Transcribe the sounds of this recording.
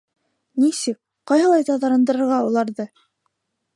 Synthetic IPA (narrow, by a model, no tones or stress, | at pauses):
nisɘk̚ | qɑjɦɤ̆lˠɑjt̪ɑðɑɾɤ̆nd̪ɤ̆ɾɤ̆ɾʁɑulˠɑɾðɤ